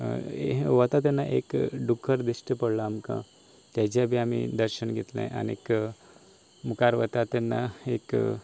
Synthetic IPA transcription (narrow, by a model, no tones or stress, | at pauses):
eʋət̪at̪anːaʔekɖukʰːəɾd̪iɕʈəpəɽlaːmkã̰ | t̪jat͡ɕjabʱiamḭd̪əɾɕəɳɡʱet̪lã̰ʔa̰niek | mukaɾʋət̪at̪ɛnːa̰ek